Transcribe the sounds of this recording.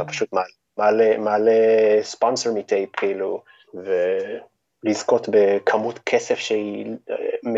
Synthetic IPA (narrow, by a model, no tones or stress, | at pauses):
apḁʃut̪ma | malemaalesponsoʁmit̪ʰejpkʰailu | ve | lizko̞t̪bekʰamut̪kʰesefʃei | m